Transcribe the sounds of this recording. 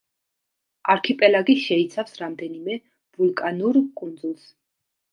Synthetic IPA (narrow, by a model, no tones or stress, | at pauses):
aɾkʰipʼɛlaɡiʃɛit̪sʰafsɾamd̪ɛnimɛ | vulˠkʼanuɾkʼund̪zulˠs